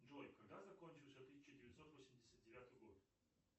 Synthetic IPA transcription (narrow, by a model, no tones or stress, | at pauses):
d͡ʒɔjkaɡd̪azɐkɔnʲt͡ʃiwˠsʲɛot̪ːisʲi̥t͡ʃɪd̪ɛvʲɛd̪sɔt̪osʲɛmd̪ʲɛsʲɛd̪d̪ɛvʲjat̪ojɡɔd̪i